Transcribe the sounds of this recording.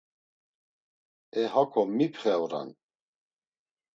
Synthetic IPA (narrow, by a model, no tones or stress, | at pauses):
ɛɦakʰɔmːipʰχɛwɾa̰n